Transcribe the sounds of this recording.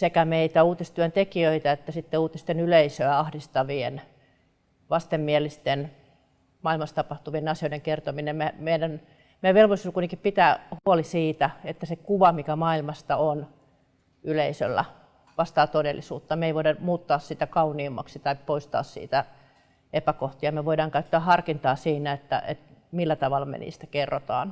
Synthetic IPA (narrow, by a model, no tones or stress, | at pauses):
sekæmeit̪æuːt̪ist̪yænt̪ekiøit̪ɑet̪ːæsit̪ːeuːt̪ist̪enyleisøæɑhdist̪ɑʋiḛn | ʋɑst̪emːielist̪en | mɑilmɑst̪ɑpɑht̪uʋienɑsioideŋkert̪ominemmemeinæn | meæʋelʋoliskut̪ekippit̪æːhuolisiːt̪æet̪ːæsekuʋɑmikæmɑilmɑst̪ɑon | yleisø̰lːæ̰ | ʋɑst̪ɑːt̪odelːisuːt̪ːɑmeiʋoidɑmuːt̪ːɑːssit̪ækɑuniːmːɑ̰ksit̪ɑippoist̪ɑ̰ːssḭːt̪æ | epækoht̪iɑmeʋoiɾɑːŋkæyt̪ːæːhɑrkint̪ɑːsiːnæet̪ːæ̰ʔḛt̪milːæt̪ɑʋɑlːɑmḛnḭːst̪æ̥kerːot̪ɑ̰ːn